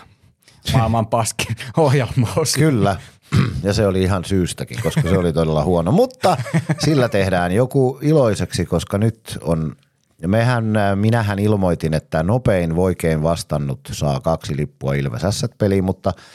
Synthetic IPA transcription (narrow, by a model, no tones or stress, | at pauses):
ɑˑelmɑmpɑskiohjɑmːɑːskkylːæ | jɑseoliihɑnsyːst̪ækḭŋkoskɑseolit̪odelːɑhuonomut̪ːɑsilːæt̪ehdæːnjokuiloiseksikoskɑnyt̪on | mehænminæɦænilmoit̪inet̪ːænopeinʋoikeinʋɑst̪ɑnːut̪sɑ̰ːkɑksilipːuɑilʋḛsæsːæt̪̚pelimut̪ːɑ